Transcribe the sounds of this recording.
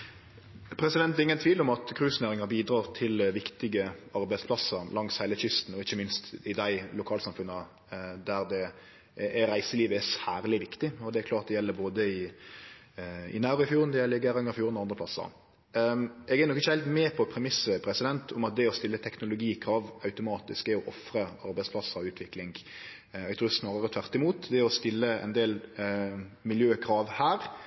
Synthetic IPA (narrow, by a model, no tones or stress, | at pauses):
pʰɾɛsɪd̪ɛnt̪ɛʁɪŋənt̪ʰʋiːlʊmɑt̪kʰʁʉːsneːɾɪŋɑɾbiːd̪ɾɑːʁt̪ʰɪlʋɪkt̪ɪɡəɑɾbæɪspʰlɑsəɾlɑŋshæɪləçʏst̪n̩ɔɪçːəmɪnst̪ɪd̪æɪlʊkʰɑːlsɑmfʉnːə | d̪æɾd̪ɛ | ɾæɪsəliːʋəɛsæːʁlɪʋɪkt̪ɪɔd̪ɛæːɾklɑːɾt̪̚d̪ɛjɛlːəboːd̪əɪ | ɪ̰nɑːɾɔɪfjuːʁənd̪ɛjɛlɪɡːəɾɑŋəɾɪfjuːʁɾnɔɑnd̪ʁəpʰlɑsːə̰ɾ | ɛɡɛɾnɔkːɪçːəhɪlt̪mɛːpʰɔpʰɾɛmɪsəpʰɾɛsɪd̪ɛnt̪ʰʊmɑt̪̚d̪ɛɔst̪ɪlːət̪ʰɛknʊlʊɡiːkʰɾɑːʋɑʉt̪ʊmɑːt̪ɪskɛɔʔɔfɾəɑɾbɛɪspʰlɑsəɾɔʉːt̪ʰʋɪklɪŋɡ | ɛɡt̪ʰuːɪsnɑːɾəɾət̪ʰʋæʁt̪ɪmuːt̪d̪ɛɔst̪ɪlːəɛ̰nd̪eːl | mɪljøːkʰɾɑːʋhæːɾ